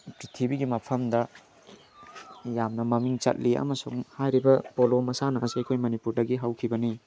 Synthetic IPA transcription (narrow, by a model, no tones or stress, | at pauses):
pɾitʰibiɡimɐpʰɐmdɐ | jamnɐmɐmiŋt͡ʃɐ̰t̚liɐ̰mɐsuŋhajɾibɐpolomɐsanɐːziɐjkʰojmɐnipuɾdɐɡiɦawkʰibɐni